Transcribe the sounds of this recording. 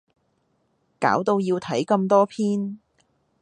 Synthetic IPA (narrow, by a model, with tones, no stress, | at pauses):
ka̰ː˨˥wt̪o˧wjiː˧wt̪ʰɐ˨˥jkɐ˧mt̪ɔː˥pʰiː˥n